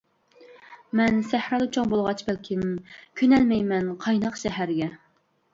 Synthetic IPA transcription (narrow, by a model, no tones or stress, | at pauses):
mɛnsæhɾɑd̪ɨt͡ʃʰoŋbolˠʁɑt͡ʃʰbælkʲʰɪmkʲʰynɛlmɛjmɛnqʰɑjnɑqʃɛɦæɾɡʲɛ